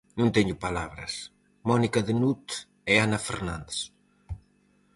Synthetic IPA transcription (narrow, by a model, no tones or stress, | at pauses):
nũnt̪ɛɲupalaβɾɐ̰s | mɔnikɐðenut̪ | ɛanafḛɾnand̪es